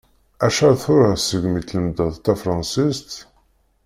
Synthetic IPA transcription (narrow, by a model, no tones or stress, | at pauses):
æʃæɾθʊɾæsəɡmit̪ləmd̪əðt̪æfɾˤɑnsist̪